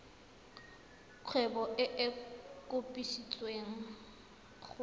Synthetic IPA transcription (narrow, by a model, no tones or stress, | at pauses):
kʰwɛbɔʔɪʔɪkʼʊpʼiʃit͡sʼweŋ̩ | χ